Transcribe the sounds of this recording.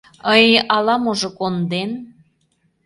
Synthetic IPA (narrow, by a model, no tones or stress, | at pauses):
əjʔɑlɑmoʒokond̪en